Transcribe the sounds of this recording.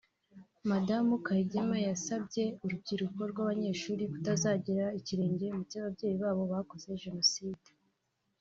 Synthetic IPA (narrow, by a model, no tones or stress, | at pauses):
madamukaɾiɟemajasabɟe̞uɾub̚ɟiɾuko̞ɾɡwaβaɲe̞ːʃuːɾikutazaːɟiɾaiciɾe̞ːɲɟemucaβabɟe̞ːjiβaːβo̞βako̞ze̞ʒe̞no̞siːd̥e